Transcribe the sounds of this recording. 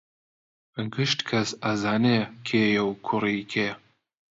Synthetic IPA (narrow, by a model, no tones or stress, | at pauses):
ɨŋɡɨʃt̪kʰɐsɐzaːnekʰeːjɛwkʰʊriːkʰeː